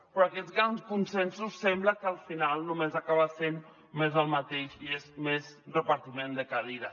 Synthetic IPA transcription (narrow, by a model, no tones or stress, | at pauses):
pɾɔakɛt̪zɣɾanskunsɛnsusːɛmbləkəəlˠfinalˠnumezakaβasen | mezəlˠmat̪eʃiezmezrəpaɾt̪imẽnd̪əkaðiða